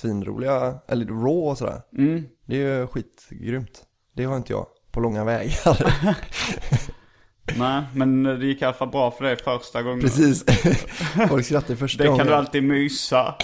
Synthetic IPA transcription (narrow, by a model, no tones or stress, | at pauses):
viːnɾṵːlɪɡaʔɛ̰lːəɾɾoːɔsɔd̪æ̰ːɾmm̩ːd̪̥ɛjɵɧiːt̪ɡɾʏmt̪ | d̪̥ɛhaɾɪnt̪əjɑ̰ː | pʰɔlɔŋːavɛːɡaɾ | nɛːmɛnd̪ɛjɪkːalafalbɾɑːfœɖɛjfœɾsʈaɡɔŋːpɾɛsiːs | fɔlkskɾat̪ːaɾfœʂtd̪ɛɡɔkɔand̪əalt̪iːd̪myːsa